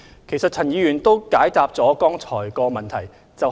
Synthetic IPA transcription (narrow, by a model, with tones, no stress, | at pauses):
kʰe˨˩jsɐ˨t̚t͡sʰɐ˨˩njiː˨˧jyː˨˩nt̪o˥wkaː˨˥jt̪aː˨p̚t͡sɔː˨˥kɔː˥ŋt͡sʰɔː˨˩jkɔː˧mɐ˨nt̪ʰɐ˨˩j | t͡sɐ˨w